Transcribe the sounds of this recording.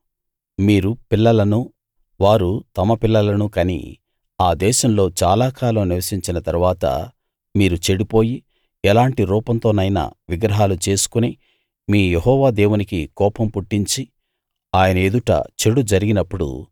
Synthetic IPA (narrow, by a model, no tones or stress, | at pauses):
miːɾupilːɐlɐnu | ʋaːɾut̪ɐmɐpilːɐlɐnukɐnḭ | aːd̪ɛːʃɐmlo̞ːt͡ʃaːlaːkaːlɐmniʋɐsiɲt͡ʃinɐt̪ɐɾuʋaːt̪ɐ̰ | miːɾut͡ʃe̞ɽipo̞ːji | ɛlaːɳʈiɾuːpɐnt̪o̞ːnɐjna̰ːʋiɡɾɐɦaːlut͡ʃe̞ːsu̥kuneː | miːjeɦɔːʋaːd̪eːwunikikɔːpɐmpuʈːiɲt͡ʃi | aːjɐnɐed̪uʈɐ̰t͡ʃe̞ɽud͡ʒɐɾiɡinɐpːuɽṵ